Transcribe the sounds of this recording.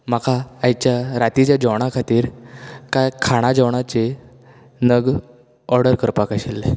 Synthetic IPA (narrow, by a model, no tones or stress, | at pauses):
makʰaːjt͡ɕjaɾat̪it͡ɕjad͡ʑəwɽ̃akʰat̪iːɾkajkʰaɽ̃ad͡ʑəwɳ̃at͡ɕe | nəɡ | ɔɾɽəɾkəɾpakaɕilːe